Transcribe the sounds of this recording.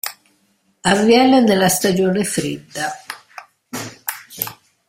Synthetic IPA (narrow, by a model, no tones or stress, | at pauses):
avjɛned̪elast̪ad͡ʒoːnefɾid̪ːa